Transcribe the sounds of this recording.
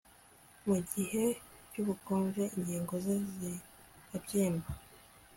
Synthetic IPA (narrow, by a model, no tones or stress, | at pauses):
muɟihe̞cuβukoːnʒe̞ʔiɲɟiːŋɡo̞zezi | ɾabɟiːmba